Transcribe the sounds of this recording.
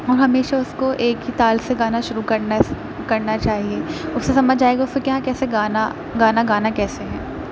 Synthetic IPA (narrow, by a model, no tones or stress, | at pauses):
ɔːɾɦɐmeːʃaʊskoʔeːkɦit̪aːlseɡaːnaʃʊɾukɐɾna | kɐɾnat͡ʃaːɦieːʊsːesɐməd͡ʒʱd͡ʒaːeːɡaʊskokjɐɦãkɛːseɡaːna | ɡaːnaɡaːnakɛːseɦɛ̃ː